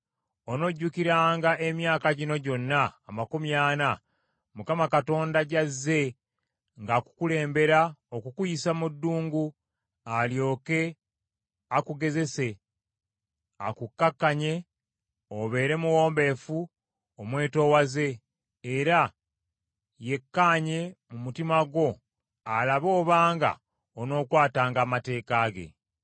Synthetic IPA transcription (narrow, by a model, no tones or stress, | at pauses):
ono̞ɟːukiɾaːŋɡaʔe̞mjaːkaɟino̞ɟo̞nːaːmakumjaːna | mukamakato̞ːndaɟazːe̞ | ŋɡaku̥kule̞ːmbe̞ɾaokukujisamudːuːŋɡu | aljo̞ːke̞ | akuɡe̞ze̞se̞ | a̰kukːakːaɲe̞ | oβe̞ːɾe̞muwo̞ːmbe̞fu | omwe̞ːto̞ːwaze̞ː | ɾa | je̞kːaːɲe̞mumutimaɡwo̞ | alaβo̞ːβaːŋɡa̰ | ono̞ːkwaːtaːŋɡaːmate̞ːkaːɡe̞̰